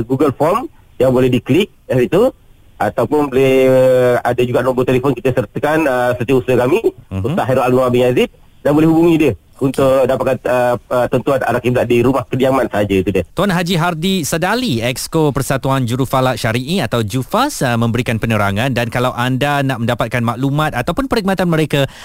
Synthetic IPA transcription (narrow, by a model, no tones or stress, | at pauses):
ɡuɡəlfɔrm | jaŋbolɛhdiklik̚ɛsit̪u | at̪awpʊnbolɛh | adad͡ʒuɡaʔnɔmbot̪elefɔnkit̪əsərt̪əkanəsət̪iəusəkamiuaʔɦɛɾoʔalnoabəŋazit̪̚ | danbolɛhɦubuŋĩdiə | unt̪ʊʔdapat̪̚kanəət̪ənt̪uana̰ɾakiblaʔdiɾumahkədiamansəɦad͡ʒəit̪udiət̪uanɦad͡ʒiɦardisədaliɛkskopərsat̪uand͡ʒuɾufalaʔʃaɾiʔiat̪awd͡ʒufasəmə̃mbəɾikanpənəɾaŋãndankalawʔandanaʔmə̃ndapat̪̚kanmaʔlumãt̪̚at̪awpʊnpəɾiɡ̚mat̪anməɾeka